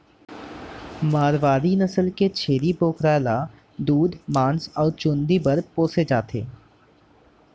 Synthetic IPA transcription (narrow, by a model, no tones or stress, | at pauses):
maːɾʋaːɾinəsəlket͡ʃʰeːɾipoːkɾaːla | d̪uːd̪mãːnsɔːɾt͡ʃũːnd̪ibəɾpoːsed͡ʒaːt̪ʰḛː